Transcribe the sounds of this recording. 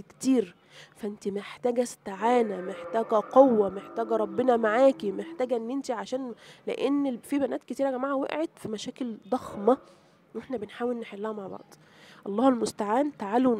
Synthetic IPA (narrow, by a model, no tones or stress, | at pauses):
kt̪iːɾ | fæʔent̪imeħt̪æːɡæst̪aʕaːnæmeħt̪æːɡæqowːæmeħt̪æːɡæɾˤɑbːenɑmaʕaːkimeħt̪æːɡæʔenːʔent̪iʕaʃæːnlḛʔenːfibænæːt̪ket̪iːɾæɡæmaʕæwḛʔʕet̪fimæʃæːkeld̪ˤɑxmɑ | weħnæbenħaːwelneħelːæhæmaʕbɑ̰ʕd̪̥ˤ | ʔɑlˤːɑːhelmost̪aʕaːnt̪aʕal